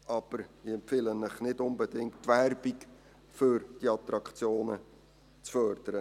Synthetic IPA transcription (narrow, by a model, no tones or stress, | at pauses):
ʔɑb̥əɾɪɛmpfɪlənːɪχnɪdʊnbɛdɪŋttːværbik | fʏɾd̥iɑt̪ɾɑkt͡sjoːnə̰ | t͡sfœːrd̥̪əɾə